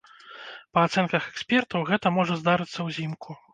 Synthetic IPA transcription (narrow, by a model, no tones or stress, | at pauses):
pɐat̪sɛnkɐxɛksʲpʲɛrt̪ɐwɣɛt̪ɐmɔʐɐzd̪aɾɨt̪sːɐwzʲimkʰu